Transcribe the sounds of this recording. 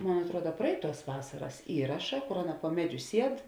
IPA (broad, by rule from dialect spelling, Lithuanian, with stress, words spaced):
ˈmoːn ɐtˈruɔdɐ ˈprɐɪˌtuɔs ˈʋɑːsɐrɐs ˈiːrɐʃɐ ˈkoːr ˈɑːˌnɐ poː ˈmʲæːˌd͡ʒʲʊ ˈsʲiɛt